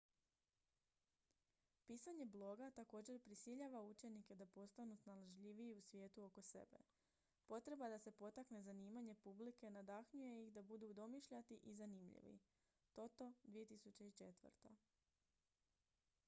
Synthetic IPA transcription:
piːsaɲe̞blˠo̞ɡat̪ako̞ːd͡ʑe̞ɾpɾisiʎaʋaut͡ʃe̞nike̞d̪apo̞st̪anusnalaʒʎiʋiːusʋje̞ːt̪uo̞ko̞se̞̰be̞̰ | po̞t̪ɾe̞bad̪ase̞po̞t̪akne̞zaniːmaɲe̞publike̞nad̪axɲuje̞ixd̪abud̪ud̪o̞miʃʎat̪iʔizanimʎḭʋḭ | t̪o̞t̪od̪ʋije̞t̪isut͡ɕeit͡ʃe̞t̪ʋə̰ɾt̪a

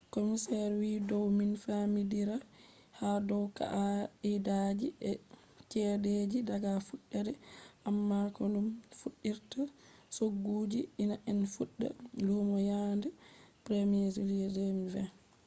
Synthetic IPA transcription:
komisɛɾwidɔwminfamidiɾa | hadɔwka̰ʔaidad͡ʒiʔɛ | t͡ʃɛded͡ʒidaɡafuɗːɛdɛʔamːakɔɗumfuɗːiɾtasoɡːuːd͡ʒiinaʔɛnfuɗːɛ̰lumɔjandɛpɾemezulidɛmivɛ

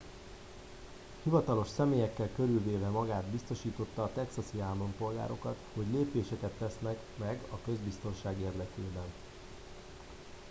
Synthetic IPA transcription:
hivɒt̪ɒlo̞ʃsɛmeːjɛkːɛlkøɾylveːvɛmɒɡaːd̪bist̪o̞ʃiːt̪o̞t̪ːɒːt̪ɛksɒsiaːlompo̞lɡa̰ːɾo̞kɒt̪ho̞ɟleːpeːʃɛkɛt̪ːɛsnɛk | mɛɡɒkø̞zbist̪o̞nʃaːɡeːrd̪ɛkeːbɛn

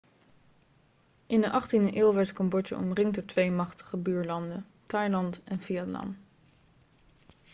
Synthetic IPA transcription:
ʔɪndəʔɑχtindəʔɪːlˠʋɛɹtkɔmbɔt͡ʃə̰ʔɔ̰mrɪŋdɔɹtʋejmɑχtə̥χəbyːɹlɑndən | tɑjlɑntɛnviɛtlɑ̰n

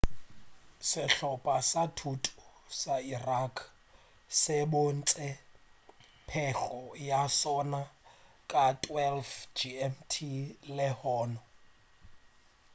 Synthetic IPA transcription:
sɪɬɔpʼasatʰutʰʼu̥ | sairakʰ | sɛɓɔnt͡sʼɛ | pʰɛɬɔjasɔna | kʼatʼwɛlfd͡ʒiɛmtʰilɛhɔːnɔ

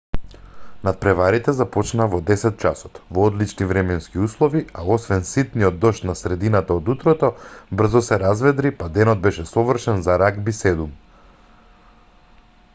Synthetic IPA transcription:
nat̪̚pɾɛvaɾit̪ɛzapɔt͡ʃnavɔd̪ɛsɛt̪̚t͡ʃasɔ̥t̪vɔɔd̪lit͡ʃnivɾɛmɛnskiuslˠɔviaɔsvɛnsit̪nijɔd̪̚ːɔʃt̪nasɾɛd̪inat̪aod̪ut̪ɾɔt̪ɔbr̩zɔsɛɾazvɛd̪ɾipad̪ɛnɔd̪̚bɛʃɛsɔvr̩ʃɛnzaɾaɡbisɛd̪um

